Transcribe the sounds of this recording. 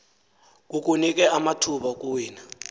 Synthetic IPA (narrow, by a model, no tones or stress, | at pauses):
k̬ʼuk̬ʼunik̬ʼɛamatʰuɓak̬ʼuwiːna